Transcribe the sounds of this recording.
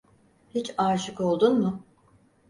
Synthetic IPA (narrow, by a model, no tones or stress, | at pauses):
hit͡ʃaːʃɯko̞lˠd̪unmʊ